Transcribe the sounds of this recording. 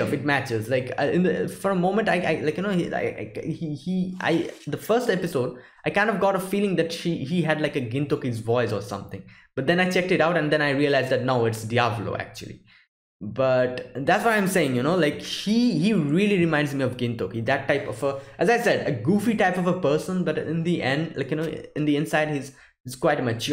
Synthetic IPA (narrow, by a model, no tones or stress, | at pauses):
fɪʈ̚mæt͡ʃɪzlaɪkʌɪ̃nd̪əfɔɾəmõːmə̃nʈaɪa̰ɪlaɪkjɨnoia̰ɪ̰ɪihiʔa̰ɪd̪əfəɾsʈɛpɪsoʊɖ | aɪkãɪ̃ndʌvɡɔɾəfiːlɪ̃ŋd̪æʈʃihiɦæɖlaɪkəɡɪ̃nt̪okizvɔɪzɔsʌ̰̃mt̪ʰɪ̰̃ŋb̥ʌʈ̚d̪ɛ̃naɪt͡ʃɛk̚ʈɪʈaʊʈæ̃nd̪ɛ̃naɪɾiəlaɪzd̪æʈ̚noʊɪʈsdiavlo̰ːʔæ̰k̚t͡ʃuə̰lˠḭ | bʌʈd̪ætswaɪãɪ̃mseɪɪ̃ŋjunoːlaɪkhihiɹiəliɾɪmãɪ̃nɖzmiɔvɡɪ̃nt̪okid̪æʈːaɪpɔvəʔæzaɪsɛɖəɡuːfiʈaɪpɔvəpəɾsə̃nbʌʈɪ̰̃nd̪iʔɛ̃nɖla̰ɪkjɨnoʊɪ̃nd̪iɪ̃nsaɪɖ̚hiz | iz̥kwaɪʈəmʌt͡ʃ